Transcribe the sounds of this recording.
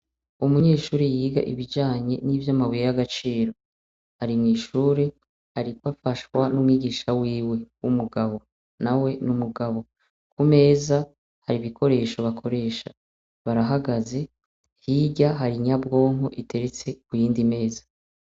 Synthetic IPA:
umuɲe̞ːʃuːɾejiːɡa̰ʔiβid͡ʒaːɲe̞̰niːvjamawijejaɡat͡ʃiːɾo̞ | haɾimŋiːʃuːɾe | haɾikwafaʃwanumŋiːɡiːʃawiːwe̞wumuɡaβo̞ | nawe̞numuɡaβo̞ | kume̞ːza | haɾiβikʰo̞ɾe̞ːʃo̞βakʰo̞ɾe̞ːʃa | βaɾaɦaɡaze̞ | hiɟaɦaɾiɲabɡo̞ːŋɦo̞ʔitʰe̞ɾet͡se̞kujiːndime̞ːzḁ

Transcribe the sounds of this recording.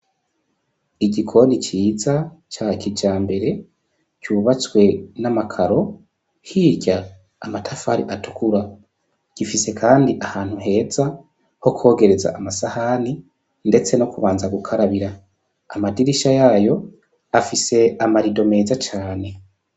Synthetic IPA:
iɟikʰo̞ndit͡ʃiːzat͡ʃakid͡ʒaːmbe̞ɾe̞ | cuːβat͡swe̞namakʰaɾo̞ | hiːɾɟa | a̰matʰafaːɾiʔatu̥kʰuɾa | ɟ̥ifise̞kʰaːndiʔahaːn̥huɦe̞ːza | ho̞kʰo̞ːɡe̞ɾe̞za̰ʔːmasahani | nde̞t͡se̞nokuβaːnzaɡukʰaɾaβiɾa̰ː | madiɾiʃajaːjo̞ | afise̞amaɾido̞me̞ːzat͡ʃaːne̞

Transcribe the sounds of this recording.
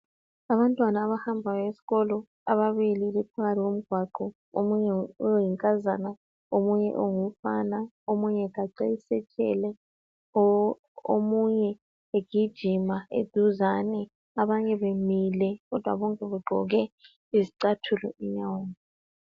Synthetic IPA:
aβantʼwanaːβahambʱawesi̥ɣɔlɔ | a̰βaβililipʰaɣatʰiɣom̩ɡ̥ʱwaǃɔ | omuɲɛjiŋkʼazana | omuɲɛ̰ʔoŋufana | omuɲɛɣaǀejisɛt͡ʃʼɛ̰lɛ | o̰muɲɛ | eɡ̥ʱid̥ʒ̥ʱimaḛd̥ʱuzanɛ | aβaɲɛβemilɛɣɔd̥ʱwa̰βɔŋkʼɛβɛɡ͡ǃʱɔ̰ɣɛ | iziǀatʰulɔ̰iɲawoːni

